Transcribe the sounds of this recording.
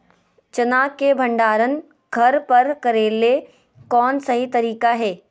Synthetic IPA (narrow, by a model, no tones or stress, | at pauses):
t͡ʃɐnaːkebʱɐ̃ɳɖaːɾən | ɡʱɐɾpɐɾkɐɾeːle | kɔːnsɐɦit̪ɐɾiːkaɦɛː